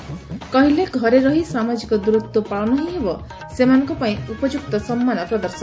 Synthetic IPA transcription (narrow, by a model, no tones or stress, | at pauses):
kɔɦileɡʱɔɾeɾɔɦisamad͡ʒikɔd̪uɾut̪wɔpaɭɔnɔɦĩɦebɔ | semanɔ̃ŋkɔpaĩupɔd͡ʒuk̚t̪ɔsɔmːanɔpɾɔd̪ɔɾsɔn